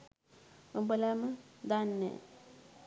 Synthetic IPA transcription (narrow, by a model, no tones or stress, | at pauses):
əmbəlamad̪anːḛ